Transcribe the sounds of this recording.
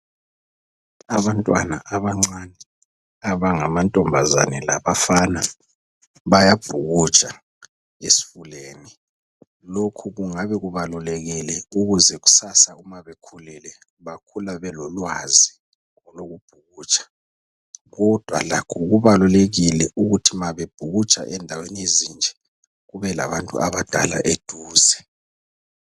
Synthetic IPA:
aβantʼwa̰naʔaβaŋ͡ǀanɛ | aβaŋamantʼɔmbʱaza̰nɛlaβafana | βajab̥ʱuɣut͡ʃʼa | esi̥fuleːni | lokʰuɣuŋaβɛɣuβaluleɣilɛuɣuzɛɣu̥sasaumaβekʰulilɛ | βakʰulaβɛlɔlwazi | ɣɔnoɣub̥ʱuɣuːt͡ʃʼḁ | ɣɔd̥ʱwa̰lakʰɔɣuβaluleɣilɛʔuɣutʰimaβeb̥ʱuɣut͡ʃʼa̰ʔɛndʱawenezind͡ʒʱɛ | ɣuβɛla̰βantʼṵʔaβad̥ʱa̰la̰ʔed̥ʱuːz̥ɛ

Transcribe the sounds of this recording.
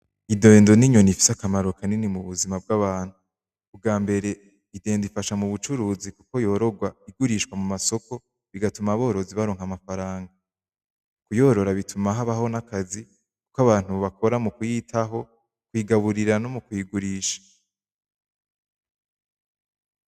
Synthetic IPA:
ido̞eːndoniɲonifi̥sakamaɾo̞kaninimuβuzimab̚ɡaβaːn̥hu | ubɡaːmbe̞ɾe̞ | ide̞ːndifaʃamuβut͡ʃuɾuːzikuko̞jo̞ːɾo̞ɡwaiɡuɾiʃkwamumaso̞ko̞ | βiɡatumaβo̞ːɾo̞ziβaɾoːŋ̥amafaɾaːŋɡa | kujo̞ɾo̞ɾaβitʰumaɦaβaɦo̞nakazi | kukwaβaːn̥uβako̞ɾamukujitʰaɦo̞ | kwiːɡaβuɾiɾano̞mukwiːɡuɾiːʃḁ

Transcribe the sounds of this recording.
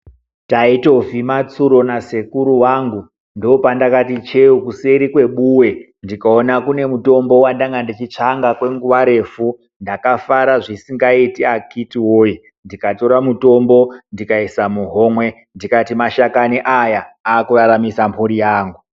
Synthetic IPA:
taito̞vimat͡suɾo̞nase̞kuɾuwaŋɡu | ndopandakatit͡ʃe̞ukuse̞ɾikwe̞ɓuwe̞ | ndikaonakune̞muto̞mbo̞wandaŋɡandit͡ʃit͡ʂaŋɡakwe̞ŋɡuʋaɾe̞fu | ndakafaɾaʐisiŋɡaitiakitiwoi | ndikato̞ɾamuto̞mbo̞ndikaisamuɦo̞mwe̞ | ndikatimaʃakaniʔajaːkuraɾamisampʰuɾijaːŋɡu

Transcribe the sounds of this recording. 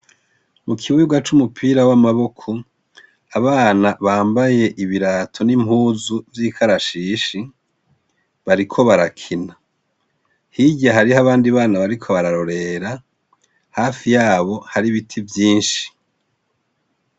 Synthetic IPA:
mukʰiβuɡwat͡ʃumupʰiːɾawamaβo̞kʰo | aβaːnaβaːmbaje̞ʔiβiɾatʰo̞nim̥huːzuvjiːkʰaɾaʃiːʃi | βaɾikʰo̞βaɾakʰina | hiɟaɦaɾiɦaβaːndiβaːnaβaɾikʰo̞βaɾaɾo̞ɾe̞ɾa | haːfijaːβo̞haɾiβitʰivjiːnʃi̥

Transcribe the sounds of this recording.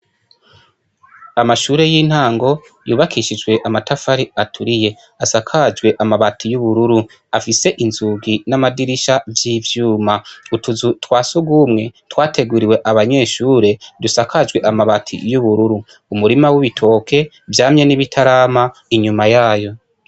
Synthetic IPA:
amaʃuːɾe̞jin̥haːŋɡo̞ | jṵːβakʰiʃid͡ʒɡwe̞ʔamatafaɾiatʰuɾije̞ | asakʰad͡ʒɡwe̞ʔamaβatʰijuβuɾuɾu | afise̞ʔinzuɡinamadiɾiʃavjiːvjuːmautuzutwaːsuɡuːmŋe̞twaːtʰe̞ɡuɾiwe̞ʔaβaɲe̞ːʃuːɾe̞dusakʰad͡ʒɡwe̞ʔamaβatʰḭjuβuɾuɾu | umuɾimawiβitʰo̞ːkʰe̞ | vjaːmɲe̞niβitʰaɾaːmaiɲumajaːjo̞

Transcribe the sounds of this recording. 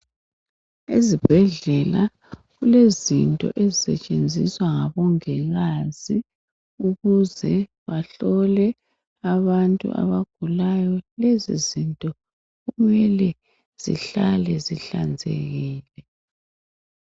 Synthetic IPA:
ezib̥ʱɛɮɛla | ɣulezintʼɔ̰ʔezisɛt͡ʃʼend͡zʱiswaŋaβɔŋɛɣazi | uɣuzɛ | βaɬɔlɛ | aβantʼṵʔa̰βaɡ̥ʱulajɔlezḭzintʼɔ | ɣumɛlɛ | z̥ḭɬalɛziɬa̰nd͡zʱḛɣiːlɛ

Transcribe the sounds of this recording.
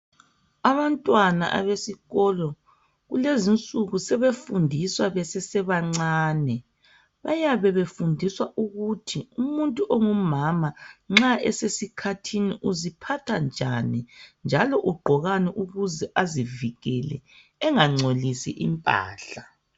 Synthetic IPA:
aβantʼwana̰ʔa̰βesiɣɔlɔ | ɣulezint͡sʼuɣusɛβefundʱiswaβɛsɛsɛβaŋ͡ǀaːnɛ | βajaβɛβefundʱiswaʔuɣutʰiumuntʼuʔoŋumamaŋ͡ǁaɛsesikʰatʰiniʔuzipʰatʰand͡ʒʱanind͡ʒʱalɔʔuɡ͡ǃʱɔɣaniʔuɣuzɛʔaziviɣɛlɛ̰ | ɛŋaŋ͡ǀʱolisḭʔimpʼa̰ːɬa

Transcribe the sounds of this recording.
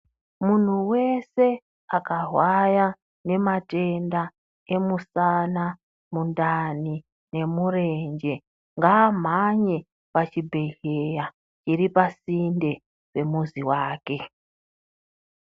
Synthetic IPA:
mun̤uwe̞se̞ | akaɦwaja | ne̞mate̞nda | e̞musana | mundani | ne̞mureɲd͡ʒe̞ | ŋɡaːm̤aɲe̞ | pat͡ʃibʱe̞heja | t͡ʃiripasinde̞ | pe̞muziwaːke̞

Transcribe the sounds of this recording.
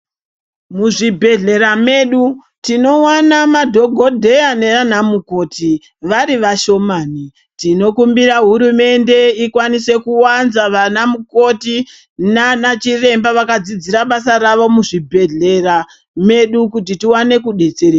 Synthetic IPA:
muʐibʱe̞ɮe̞ɾame̞ɗu | tino̞wanamadʱo̞ɡʱo̞dʱe̞ane̞ʋanamuko̞ti | ʋaɾiʋaʃo̞maːni | tino̞kumbiraɦuɾume̞nde̞ikwanise̞kuwanzaʋanamuko̞ti | nanat͡ʃire̞mbaʋakad͡zid͡ziɾaɓasaraʋo̞muʐibʱe̞ɮe̞ra | me̞ɗukut̬itiwane̞kuɗe̞t͡sereːa

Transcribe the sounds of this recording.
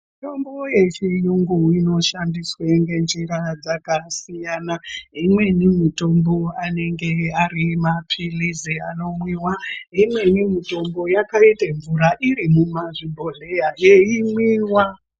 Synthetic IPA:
mito̞mboje̞t͡ʃijuŋɡuino̞ʃandisweŋɡe̞nd͡ʒiɾad͡zakasijanaimwe̞nimito̞mbo̞ane̞ŋɡe̞aɾimapʰilizia̰no̞mwiwaɦimwe̞nimito̞mbo̞jakaiteɱvuɾaʔiɾimumaʐimbo̞ɮe̞jaje̞imwiːwa

